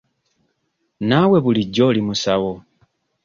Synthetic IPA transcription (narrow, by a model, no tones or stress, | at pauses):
nawe̞βuliɟːo̞ːlimusawo̞